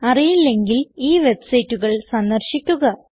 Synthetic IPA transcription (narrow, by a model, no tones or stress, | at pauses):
ɐrijilːe̞ŋɡiliːʋe̞bsɐjtːuɣɐɭsɐnd̪ɐrɕikʲːuɣɐ